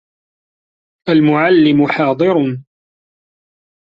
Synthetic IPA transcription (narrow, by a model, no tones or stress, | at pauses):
ʔalmʊʕalːɪmʊħɑːd̪ˤɨɾ